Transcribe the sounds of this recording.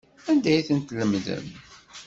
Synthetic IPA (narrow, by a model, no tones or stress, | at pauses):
ænd̪æjθənt̪ləmðə̰n